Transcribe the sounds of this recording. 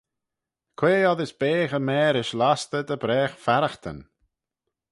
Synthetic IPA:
kʰweːɔðɪsb̥eːxəmɛːɾɪʃlast̪əd̪əbɾɛːxfaɾaxt̪ʰə̰n

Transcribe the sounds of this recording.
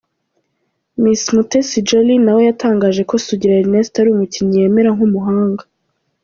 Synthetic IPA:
mismutesid͡ʒalinawe̞jatʰaːŋɡaːʒe̞ko̞suɟiɾaɾinesi̥taɾuumuciɲije̞ːme̞ɾaŋ̥humuɦaːŋɡa

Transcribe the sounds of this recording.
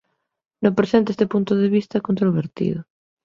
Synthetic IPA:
nõmpɾesẽnt̪eest̪epunt̪ʊðeβ̞ist̪ɐkont̪ɾoβ̞eɾt̪ḭðʊ

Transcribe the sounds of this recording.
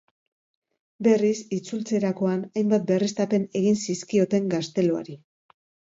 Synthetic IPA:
be̞risit͡sult͡se̞ɾako̞anajmbat̪̚be̞rest̪ape̞ne̞ɣinsiskio̞t̪e̞ŋɡast̪e̞lo̞a̰ɾi

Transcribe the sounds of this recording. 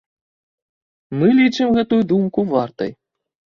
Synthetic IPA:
mɨlʲit͡ʂɨmɣɛt̪ujud̪umkuvart̪ɐ̰j

